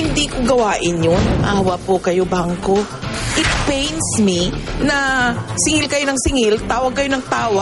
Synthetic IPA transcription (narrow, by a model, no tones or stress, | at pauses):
ɪnd̪iːkoɡɐwaːʔɪnjonʔaːwɐpokɐjo̞baŋko | ʔɪt̪̚pejnsminɐsɪŋɪlkɐjonɐŋsɪŋɪlt̪aːwɐɡ̚kɐjonɐŋt̪aːwɐ